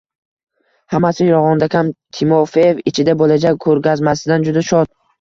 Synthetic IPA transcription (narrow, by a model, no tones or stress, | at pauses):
hamasɪɾɒʁɒnd̪akʲʰamt̪ʰɪmofejevɪt͡ʃʰɪd̪abolad͡ʒakʰɵɾɡʲazmasɪd̪and͡ʒʊd̪aʃɒd̪̚